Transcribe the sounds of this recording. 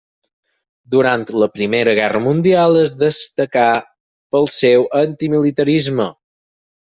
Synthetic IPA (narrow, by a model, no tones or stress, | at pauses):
d̪uɾant̪ləpɾimeɾəɣɛrəmund̪ialˠəzðəst̪əka | pəlˠsɛwʔənt̪imilit̪əɾizmə